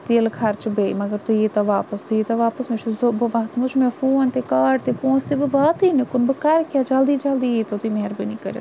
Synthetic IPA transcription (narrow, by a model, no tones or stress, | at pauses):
t̪eːəlkʰaɾt͡ʃbeːiməɡəɾt̪ueːt̪aʋaːpəst̪uet̪ãʋaːpəsmʊt͡ʃzbəʋaːt̪mʊt͡ʃʰmɛ̃ːfoːnt̪eːkaːɖt̪eːpɔ̃ːt͡ʃt̪eːbəʋaːt̪inekʊnbəkaɾkjaːd͡ʒaːld̪iːd͡ʒaːld̪iːet̪at̪ʊiːmɛɦəɾbinĩːkəɾḛː